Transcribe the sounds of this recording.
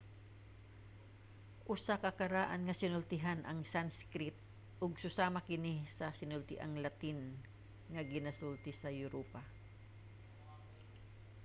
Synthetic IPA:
ʔʊsakɐkɐɾaːʔanŋɐsɪnʊlt̪ɪɦanʔɐŋsanskɾɪt̪̚ | ʔʊɡsʊsaːmakɪnisɐsɪnʊlt̪ɪʔa̰ŋlɐt̪ɪn | ŋɐɡɪnasult̪ɪsɐjʊɾoːpa

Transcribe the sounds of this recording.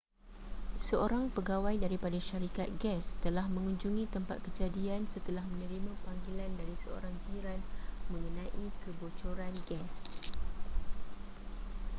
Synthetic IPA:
səʔoɾaŋpəɡawajdaɾipadaʃaɾikat̪̚ɡɛst̪əlahmə̃ŋũɲd͡ʒuŋĩt̪əmpa̰t̪̚kəd͡ʒadiansət̪əlahmə̃nə̃ɾimãpaŋɡilandaɾisəo̰ɾaŋd͡ʒiɾanmə̃ŋənãʔikəbot͡ʃoɾanɡɛs

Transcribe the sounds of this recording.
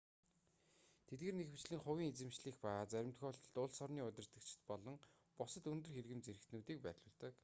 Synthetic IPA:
t̪ʰet̪̚ɡeːrnexi̥t͡ɕɮiːŋχʊwiːŋet͡sɘ̆mt͡ɕɮiːxpat͡sæɾʲɪ̆mt̪xɔːɬt̪ə̆ɮt̪ʊɮsɔrniːʊt̪ʲɪ̆r̥t̪ə̆k̚t͡ɕʰɪ̥̆t̪pɔɮɞ̆ŋ | pʊsə̆t̪ɵnt̪ɵ̆rxerɣɘ̆mt͡seɾɘ̆kt̪nuːt̪iːk̚pærʲɮʊːɮt̪ə̆k

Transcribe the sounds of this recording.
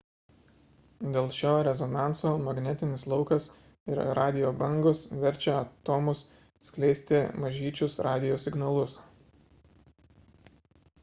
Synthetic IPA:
d̪ʲeːlˠʃʲoːɾʲɛzɔnɑˑnt̪soːmɐɡnʲɛt̪ʲɪnʲɪslˠɒʊkɐs | ɪɾɾɑːd̪ʲɪjoːbɐŋɡʊsʋʲɛɾʲˑt͡ʃʲɛɐt̪oːmʊs | sʲklʲɛɪsʲt̪ʲɪmɐʒʲiːt͡ʃʲʊsɾɑːd̪ʲɪjoːsʲɪɡnɐlˠʊs

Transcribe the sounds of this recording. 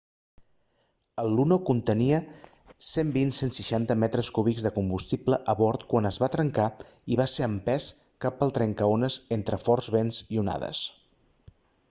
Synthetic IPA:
əlˠːunokunt̪əniə | sembinsensiʃant̪əmɛt̪ɾəskuβikzðəkumbust̪ipləʔəβɔɾt̪kwanəzβat̪ɾəŋkaiβaseəmpɛs | kapːəlˠt̪ɾɛŋkəonəzent̪ɾəfɔrzβenziuna̰ðə̰s

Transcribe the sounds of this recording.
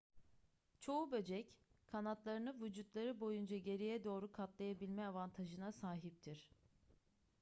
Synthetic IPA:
t͡ʃʰo̞ubø̞d͡ʒɛckʰanat̪lˠaɾɯnɯvud͡ʒut̪lˠaɾɯbo̞jund͡ʒaɟe̞ɾijɛd̪o̞ːɾukʰat̪lˠajabilʲmɛavant̪ʰaʒɯnasaːɦip̚t̪ʰiɾ̥

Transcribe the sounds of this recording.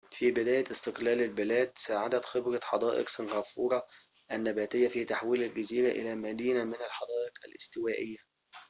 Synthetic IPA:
fiːbɪd̪æːjæɪst̪ɪqlæːlɪlbɪlæːd̪saːʕad̪æt̪xɪbɾɑħɑd̪ˤɑːʔɪ̰qsɑnɣæːfuːɾˤɑ | ʔænːæbæːt̪ɪjːæfiːt̪aħwiːlælɡɪziːɾaʔɪ̰læmæd̪iːnamɪnælħɑd̪ˤɑːʔɪqæ̰lʔɪ̰st̪ɪwæːʔɪ̰jːæ

